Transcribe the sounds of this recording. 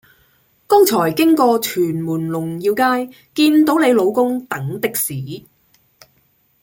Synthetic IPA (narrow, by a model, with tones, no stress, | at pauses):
kɔː˥ŋt͡ʃʰɔː˨˩jkɪ˥ŋkɔː˧t͡ʃʰyː˨˩nmuː˨˩nlʊ˨˩ŋjiː˧wkaː˥j | kiː˧nt̪o˨˥wne˨˧jlo˨˧wkʊ˥ŋt̪ɐ˨˥ŋt̪ɪ˥k̚siː˨˥